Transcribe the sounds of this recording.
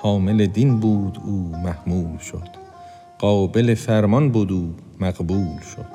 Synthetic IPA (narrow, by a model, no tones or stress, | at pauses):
hɒːmeled̪inbuːd̪uːmæhmuːlʃod̪̥ | ɢ̥ɒːbe̞lefæɾmɒnbuːd̪uː | mæɡbuːlʃod̪̥